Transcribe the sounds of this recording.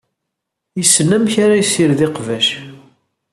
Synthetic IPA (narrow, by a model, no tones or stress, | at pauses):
jəsːənːæmçaɾajsɪɾðɪqvæʃ